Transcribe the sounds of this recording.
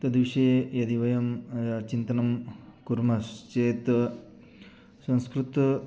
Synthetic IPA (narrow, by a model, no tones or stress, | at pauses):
t̪ɐd̪ʋiʂeːjɐd̪iʋɐjɐmt͡ʃint̪ɐnɐmkuɾmɐst͡ʃeːt̪ | sɐ̃ñskɾut̪